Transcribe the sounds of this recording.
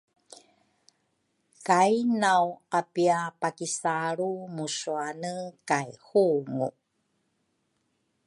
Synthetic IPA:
kajnawapiapakisaɾumusuanəkajhuŋṵ

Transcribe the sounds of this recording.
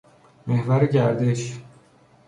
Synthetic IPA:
mehvæɾeɟæɾd̪eʃ

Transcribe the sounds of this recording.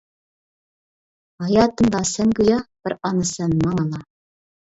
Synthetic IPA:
ɑjɑt̪ɤ̆nd̪ɑsæŋɡɵ̆jɑb̥ɘɾɑnɤsænmɑɴɑlˠɑ

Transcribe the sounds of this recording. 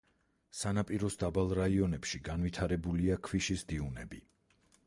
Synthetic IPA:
sanapʼiɾɔsd̪abalˠɾaiɔnɛpʃiɡanvit̪ʰaɾɛbuliakʰwiʃisd̪iunɛbi

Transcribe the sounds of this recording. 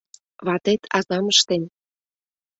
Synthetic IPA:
βɑt̪et̪ʰɑzɑməʃt̪en

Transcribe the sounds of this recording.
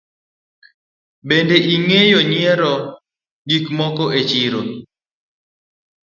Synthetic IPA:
bendeʔiŋejɔɲjɛɾɔ | ɡikmɔkɔʔet͡ʃiɾo

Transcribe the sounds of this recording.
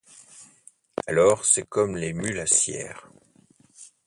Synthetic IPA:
a̰lɔːʁsɛkɔmlemylasjɛ̰ːʁ

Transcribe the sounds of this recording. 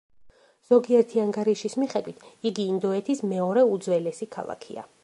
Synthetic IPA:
z̥ɔɡiɛɾt̪ʰiaŋɡaɾiʃismiχɛd̪wit̪ʰiɡiːnd̪ɔɛt̪ʰismɛɔɾɛud̪zwɛlɛsikʰa̰lˠa̰kʰḭa̰

